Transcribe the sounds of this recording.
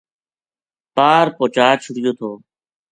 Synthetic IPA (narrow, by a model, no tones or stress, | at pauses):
paːɾpoːt͡ʃaːt͡ʃʰʊɽɪjoːt̪ʰoː